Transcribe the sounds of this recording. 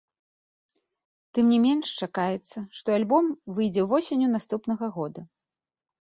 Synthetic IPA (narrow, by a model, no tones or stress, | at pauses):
t̪ɨmnʲimʲɛnʂt͡ʂakajɛt̪sːɐʂt̪ɔalʲbɔmvɨjd͡zʲɛwvɔsʲenʲunast̪upnɐɣɐɣɔd̪ɐ